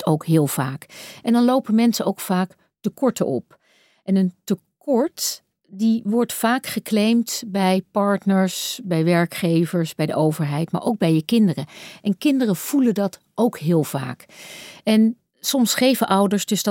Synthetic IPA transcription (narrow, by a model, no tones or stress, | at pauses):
towkɦɪːlˠv̥aːkɛndɑnlowpəmɛnsəʔowkfaːk | təkɔɹtə̰ʔɔ̰p | ʔɛnəntəkɔɹt | diʋɔɹtfaːkχəklejmtbɛjpɑɹtnəɹsbɛjʋɛɹkχejvəɹsbɛjdəʔowvəɹɦɛjtma̰ɹʔowkɡ̚bɛjəkɪndərəʔɛnkɪndərəv̥ulədɑt | ʔowkɦɪːlˠv̥a̰ːk | ɛn | sɔmsχejvəʔʌwdəɹsdɵsd